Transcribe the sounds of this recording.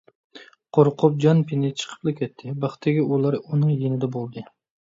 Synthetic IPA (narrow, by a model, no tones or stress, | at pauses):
qʰoɾqʰʊp̚d͡ʒanpʰɪnɪt͡ʃʰɨ̥qʰɨ̥plˠakʲʰet̪ʰːɪbɑχt̪ʰeɡʲɪʊlˠaɾʊnɪŋjenɪd̪abolˠd̪ɪ